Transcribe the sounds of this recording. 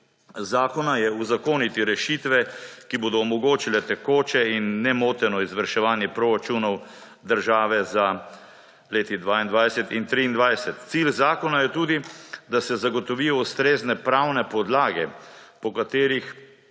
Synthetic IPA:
zaːkɔnajɛuzakoːnit̪iɾɛʃit̪ʋɛkiboːd̪ɔːmɔɡoːt͡ʃilɛt̪ɛkoːt͡ʃɛinːɛmoːt̪ɛnɔizʋəɾʃɛʋaːnjɛpɾoːɾat͡ʃunɔw | d̪əɾʒaːʋɛza | leːt̪id̪ʋaːind̪ʋajsɛt̪int̪ɾiːnd̪ʋajsɛt̪t̪silzaːkɔnajɛt̪uːd̪id̪asɛzaɡɔt̪ɔʋiːjɔust̪ɾeːznɛpɾawnɛpɔd̪laːɡɛpɔkat̪eːɾix

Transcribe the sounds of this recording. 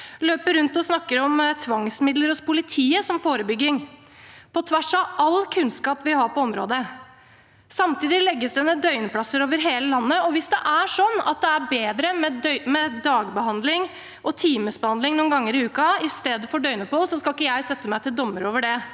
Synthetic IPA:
løːpəɾːʉnt̪ɔsnɑkːəɾɔmt̪ʰʋɑŋsmɪd̪ləɾɔspʰʊlɪt̪ʰiːəsɔmfoːɾəbʏɡːɪŋ | pʰɔt̪ʰʋæʂɑʔɑlkʰʉnskɑːpʋɪhɑɾpɔɔmɾo̰ːd̪ə | sɑmt̪iːd̪ɪlɛɡːəsd̪ɛnəd̪œʏnəpʰlɑsəɾoːʋəɾɦeːləlɑnːəɔʋɪsd̪ɛʔæʂɔnːɑ̰t̪̚d̪ɛæbeːd̪ɾəmɛmɛd̪ɑːɡbəɦɑnd̪lɪŋ | ʔɔt̪ʰiːməsbəhɑnd̪ɪŋnuːnɡɑŋːəɾɪʉːkɑɪst̪eːd̪əfɔɖœʏnəpuːlsɔskɑlɪkːəjæɪsɛt̪ːəmæɪt̪ɪld̪ɔmːəɾoːʋəɖɛ

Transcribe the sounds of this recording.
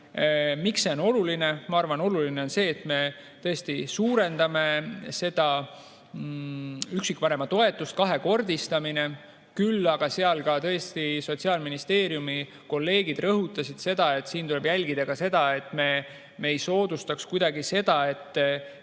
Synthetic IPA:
mikso̞no̞luline̞mɑɑrvɑno̞luline̞o̞nse̞ːt̪ˑme̞ | t̪ɤ̞e̞st̪isuːɾe̞nd̪ɑme̞se̞d̪̥ɑ | yksikːpɑɾe̞mɑt̪o̞e̞t̪ːˑust̪̚kɑɦe̞ko̞rd̪̥ist̪ɑmine̞ | kylːɑɡ̥ɑseɑlkɑt̪ɤ̞est̪iso̞t̪ʲsiɑːlminist̪e̞ːɾijumi | ko̞lːe̞ːɡ̥id̪rɤɦut̪ːˑɑsid̪̥se̞d̪ɑe̞t̪ːˑsiːnt̪ule̞b̥jælʲɡid̪̥ɑɡ̥ɑse̞d̪̥ɑe̞t̪ːˑme̞ | me̞jso̞ːd̪̥ust̪ɑkskujd̪̥ɑɡise̞d̪ɑe̞t̪ː

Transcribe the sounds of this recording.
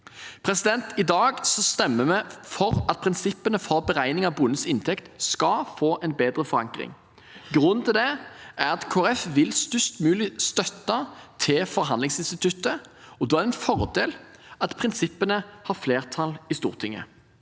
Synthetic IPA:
pʰʁɛsɪd̪ɛnt̪ʰɪd̪ɑːɡsɔst̪ɛmːəmɛfɔʁɑt̪̚pʰʁɪnsɪpːənəfɔɾbɛʁæɪnɪŋɑʋbʊnːəsɪnt̪ʰɛkt̪skɑfoːʔɛnbeːd̪ʁəfɔɾɑŋkʁɪ̰ŋ | ɡʁʉnːt̪ʰɪld̪ɛʔæʁɑt̪kʰoːæɾɛfʋɪlst̪ʏst̪mʉːlɪst̪œt̪ːɑt̪ʰɪlfɔʁɦɑnd̪lɪŋsɪnst̪ɪt̪ʰʉt̪əɔd̪oːæʁɛnfɔʁd̪eːlɑt̪pʰʁɪnsɪpːənəhɑʁfleːʁt̪ʰɑlɪst̪ṵːʁt̪ʰɪŋːə̰

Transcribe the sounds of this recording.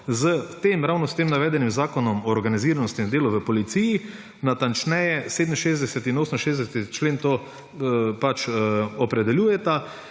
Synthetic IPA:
zət̪eːmɾawnɔst̪emnaʋɛːd̪ɛnimzaːkɔnɔmɔːɾɡaniziːɾanɔst̪ind̪eːlɔʋəpɔlit̪siji | nat̪ant͡ʃnɛjɛseːd̪mnʃeːzd̪ɛsɛt̪inoːsəm̩ʃeːzd̪ɛsɛt̪it͡ʃleːnt̪oː | pat͡ʃɔpɾɛd̪ɛljuːjɛt̪a

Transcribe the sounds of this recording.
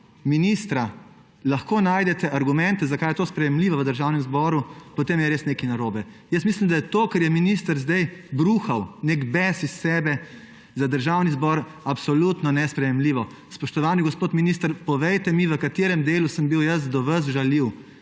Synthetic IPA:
minist̪ɾa | laxkoːnaːjd̪ɛt̪ɛʔaɾɡumɛ̃nt̪ɛzakajɛt̪oːspɾɛjɛmliʋɔʋəd̪əɾʒawnɛmzbɔɾupɔt̪emjɛɾeːsneːkinaɾoːbɛ | jəst̪mislimd̪ajɛt̪oːkɐɾjɛminist̪əɾzd̪ɛjbɾuːxawnekbɛsisːɛbɛ | zad̪əɾʒawnizbɔɾ | apsɔlut̪nɔnɛspɾɛjɛmliːʋɔ | spɔʃt̪ɔʋaːniɡɔspoːt̪minist̪əɾpɔʋɛjt̪ɛmiʋəkat̪eɾɛmd̪eːlusəmbiwjəs̬d̪ɔʋəs̬ʒaliw

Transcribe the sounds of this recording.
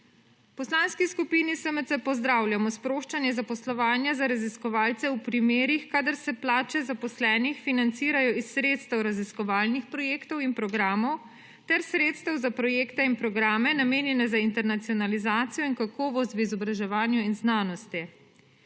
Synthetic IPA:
pɔslanskiskupinisəmət̪əpɔzd̪ɾaːwljamɔspɾoːʃt͡ʃanjɛzapɔslɔʋaːnjazaɾaziskɔʋaːlt̪sɛupɾimeːɾixkaːd̪aɾsɛplaːt͡ʃɛzapɔslɛːnixfinant̪siːɾajɔisːɾeːt̪st̪ɛwɾaziskɔʋaːlnixpɾɔjeːkt̪ɔwinpɾɔɡɾaːmɔw | t̪ɛɾsɾeːt̪st̪ɛwzapɾɔjeːkt̪ɛinpɾɔɡɾaːmɛnameːnjɛnɛzaint̪ɛɾnat̪siɔnalizaːt̪sijɔinkakɔːʋɔs̬t̪ʋizɔbɾaʒɛʋaːnjuinznaːnɔst̪i

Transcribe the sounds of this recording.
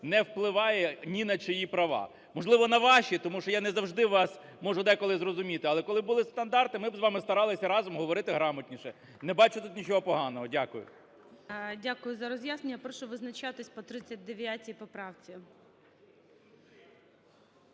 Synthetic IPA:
nɛwplˠɪʋɑjɛnʲinɐt͡ʃɔjipɾɐʋɑ̰ | mɔʒlˠɪʋɔnɐʋɑʃit̪ɔmuʃɔjanɛzɐwʐd̪ɪʋɑs | mɔʒʊd̪ɛkɔlˠɪzrɔzʊmʲit̪ɪɐlˠɛkɔlˠɪbʊlˠɪst̪ɐnd̪ɑrt̪ɪmɪbzʋɑmɪst̪ɐɾɑlˠɪsʲɐɾɑzɔmɦɔʋɔɾɪt̪ɪɦɾɑmɐtʲnʲiʃɛ | nɛbɑt͡ʃʊt̪ut̪nʲit͡ʃɔɦɔpɔɦɑnɔɦɔdʲakʊjʊ̰ | dʲakʊjʊzɐɾɔzjasnenʲːɐpɾɔʃʊʋɪznɐt͡ʃat̪ɪsʲpɔt̪ɾɪt͡sʲːɐd̚ʲd̪eʋʲjatʲipɔpɾɑwt͡sʲi

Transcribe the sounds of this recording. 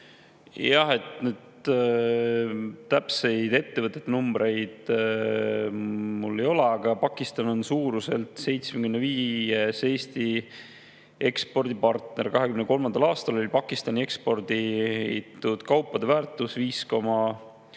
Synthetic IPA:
jɑhe̞t̪nyːd̪̥ | t̪æpse̞jd̪e̞t̪ːe̞vət̪ːˑe̞t̪ːnumb̥ɾe̞jd̪̥ | mulːe̞jo̞le̞ɑɡ̥ɑpɑkːˑist̪ɑnonsuːɾuse̞lt̪se̞jt̪smekymneviːese̞ːst̪i | e̞kspo̞rd̪̥ipɑrt̪ne̞ɾkɑɦe̞kymnəko̞lmɑnd̪ɑlɑːst̪ɑlo̞lʲipɑkːˑist̪ɑnʲie̞kspo̞rd̪iit̪ːˑud̪̥kɑwpːɑd̪̥e̞væːrt̪ːˑusviːsko̞mɑ

